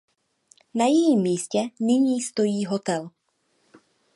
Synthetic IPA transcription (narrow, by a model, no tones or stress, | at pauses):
najɛjiːmːiːscɛnɪɲiːst̪ojiːɦɔt̪ɛl